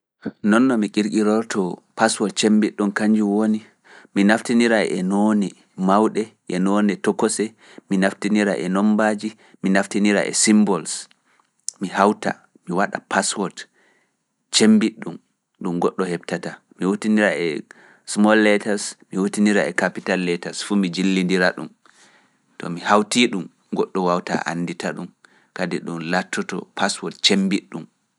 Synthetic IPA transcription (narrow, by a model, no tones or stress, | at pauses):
nɔnːɔmikiɾkiɾɔɾtʰɔpaswɔt̚t͡ʃembiɗːumkaɲd͡ʒiwoni | minaftiniɾaʔɛ̰nonɛ | mawɗɛʔɛnonɛtɔkːɔsɛ | minaftiniɾa̰ʔɛnɔmbad͡ʒi | minaftiniɾa̰ʔɛ̰simbɔls | mihawta̰ | miwaɗa̰paswɔt | t͡ʃembiɗːum | ɗumɡɔɗːɔhɛbtata | miwotiniɾaɛ | smɔlːɛtaɾsmiwotiniɾaɛkapitalːɛtasfumid͡ʒilːindiɾaɗum | tɔ̰mihawtiːɗum | ɡɔɗːɔwawta̰ʔa̰nːditaɗum | kadiɗunlatʰːɔtɔ̰pʰaswɔtt͡ʃembiɗːum